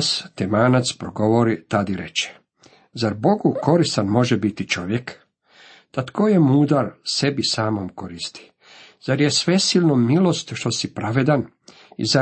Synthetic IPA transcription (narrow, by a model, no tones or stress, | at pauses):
st̪emaːnat̪spɾoɡoʋoɾit̪ad̪iɾḛt͡ʃe̥ | zaɾbo̞ɡuko̞ɾist̪anmo̞ʒebit̪it͡ʃo̞ʋjek | t̪at̪kʰojemuːd̪aɾse̞bisaːmomkoɾist̪i̥ | z̥aɾjesʋe̞siːlˠnomilo̞st̪ʃt̪o̞sipɾaʋed̪an | ḭza